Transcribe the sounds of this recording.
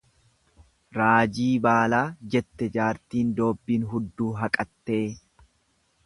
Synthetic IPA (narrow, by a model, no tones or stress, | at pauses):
ɾaːd͡ʒiːbaːlaːd͡ʒɛt̪ːɛd͡ʒaːɾt̪iːnd̪o̞ːbːiːnɦʊd̪ːuːɦɐkʼɐt̪ːe̞ː